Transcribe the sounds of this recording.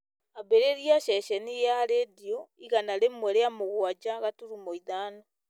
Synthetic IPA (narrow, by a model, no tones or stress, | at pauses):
aβeɾeɾjaʃɛʃɛnijaɾeːdioiɣanaɾemwɛɾeamoɣwad͡ʒaɣatuɾumoiðaːna